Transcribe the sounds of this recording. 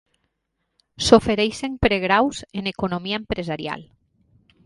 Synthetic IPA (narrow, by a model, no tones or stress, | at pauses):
sofeɾejseŋpɾeɣ̞ɾawsenekonomiaempɾezaɾja̰l